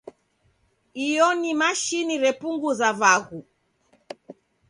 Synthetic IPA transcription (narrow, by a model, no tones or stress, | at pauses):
ijɔnimaʃiniɾɛpuŋɡuzavaɣu